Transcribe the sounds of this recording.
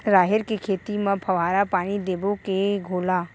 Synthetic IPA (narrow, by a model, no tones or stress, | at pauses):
ɾaːɦɪɾkekʰeːt̪imãpʰɐʋaːɾapaːɽ̃id̪eːbokeɡʱoːlaː